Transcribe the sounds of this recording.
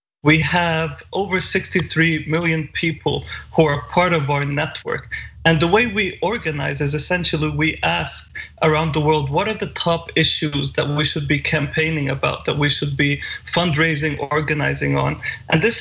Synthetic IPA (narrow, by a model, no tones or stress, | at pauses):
wiəvʔoʊvə˞sɪkstiθɹimɪlˠjɨ̃npʰipʰl̩ˠhuə˞pʰɑɹɾʌvaʊə˞nɛt̚wɜ̰˞kɨ̃nðəweɪwiʔɔɹɡɨnaɪzɨzɨsɛ̃nʃl̩ˠiwiʔæsk̚ʔə˞ãʊ̃nðəwɜ˞lˠd̚wʌɾə˞ðɨtʰɑpɪʃʉzðəʔ̚wiʃɨd̚bikʰæ̃mpʰẽɪ̃nɪ̃ŋɨbaʊt̪̚ðəʔ̚wiʃɨd̚bifʌ̃ndɹeɪzɪ̃ŋʔɔɹɡɨnaɪzɪ̰̃ŋə̰̃nʔɨ̃nðɪs